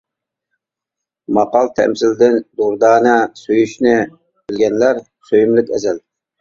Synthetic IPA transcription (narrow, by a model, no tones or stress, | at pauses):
mɑqɑlˠt̪ʰɛ̰msɪld̪ɪnd̪uɾd̪ɑːnɨsøjyʃnɪ | b̥ɪlɡʲɛnlæɾ | søjymlɪkʲɛzɛl